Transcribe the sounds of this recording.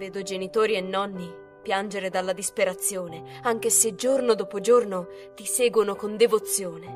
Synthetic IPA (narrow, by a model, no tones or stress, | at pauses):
veːd̪od͡ʒenit̪oːɾienːɔnːi | pjand͡ʒeɾed̪alːad̪ispeɾat̪sːjoːne | aŋk̟esed͡ʒornod̪oːpod͡ʒorno | t̪isɛːɡwonokond̪evot̪sːjoːne